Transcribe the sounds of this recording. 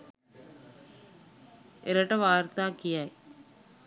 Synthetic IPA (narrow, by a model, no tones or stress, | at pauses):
eɾɐʈɐʋaːɾt̪aːkijaj